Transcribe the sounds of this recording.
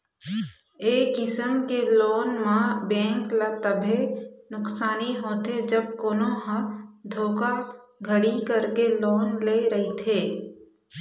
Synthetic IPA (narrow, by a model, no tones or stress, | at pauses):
eːkɪsəmkeloːnmãbɛ̃ːŋklat̪əbʱenʊksaːniɦoːt̪ed͡ʒəb̚koːnoɦə̃d̪ʱoːka | ɡʱəɽikəɾkeloːnleːɾəɦit̪ʰeː